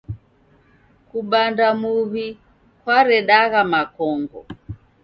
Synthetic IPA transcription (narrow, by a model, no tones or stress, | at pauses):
kuɓandamuβi | kwaɾɛɗaɣamakɔŋɡɔ̰